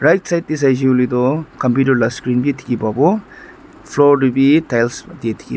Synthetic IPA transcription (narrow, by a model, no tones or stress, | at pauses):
ɾajtsajt̪̚d̪is̬ajd͡ʒiulid̪ɔkɐmputɐɾlaskɾinbit̪ʰi̥kibabɔ | pʰlɔɾɖibitajlsd̪et̪ʰi̥ki